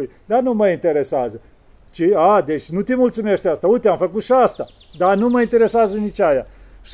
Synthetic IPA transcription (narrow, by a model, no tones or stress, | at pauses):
jd̪anuməint̪e̞ɾesazə | t͡ʃiad̪e̞t͡ʃʲnut̪ʲemult̪sume̞ʃt̪east̪aujt̪eamfəkut̪ʃiast̪a | d̪anuməint̪e̞ɾe̞sazənit͡ʃʲajaʃ